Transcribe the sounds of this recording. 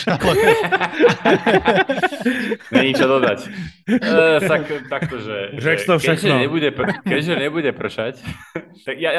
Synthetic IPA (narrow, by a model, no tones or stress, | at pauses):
al | ɲɛɲit͡ʃɔd̪ɔd̪acː | t̪akt̪akt̪ɔʒɛɛɔɛaʒɛɲɛbuɟɛpkɛɟʒɛɲɛbuɟɛpr̩ʃact̪aɡja